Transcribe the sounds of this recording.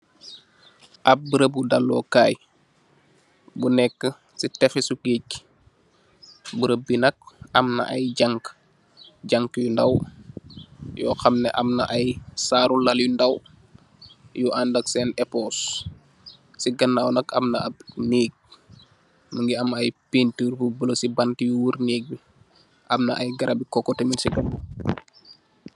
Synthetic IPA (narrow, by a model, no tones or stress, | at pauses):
ʔɐp̚bəɾəbudalːɔ̰ːkaːj | bunɛkːə | sitɛfɛsukic̚ | buɾəbinɐk̚ɐmnɐ̰ʔɐ̰jɟaŋk | ɟaŋkjundɐw | jɔ̰ːxɐmnɛʔɐmnɐ̰ʔɐjsaːɾulɐljundɐw | juʔaːndɐksɛːnɛpɔːs | siɡɐnːawnɐkɐmnɐɐb̚niːk̚ | məŋɡiɐmɐjpintirbubəlosibantijuwuɾneːk̚bi | ʔɐmnɐʔɐjɡɐɾʔabikɔkːɔteminsiɡɐn